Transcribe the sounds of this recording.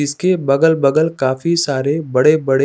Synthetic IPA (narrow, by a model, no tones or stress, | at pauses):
ɪskebɐɡəlbɐɡəlkaːfisaːɾebɐɽebɐɽ